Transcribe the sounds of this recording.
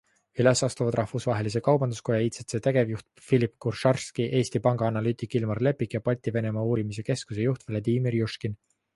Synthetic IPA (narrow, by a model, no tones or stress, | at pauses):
ylesɑst̪uvɑd̪rʔɑhvusvɑɦe̞lise̞kɑwbɑnd̪usko̞jɑiːt̪set̪se̞ːt̪eɡ̥e̞vjuht̪̚filipkurʃɑrskiʔe̞ːsʲt̪ipɑŋɡ̥ɑɑnɑlyːt̪ikːˑilmɑrle̞pːˑikːˑjɑpɑlʲt̪ʲːˑive̞ne̞mɑːuːɾimis̬e̞ke̞skuse̞juht̪velɑd̪iːmirjuʃkin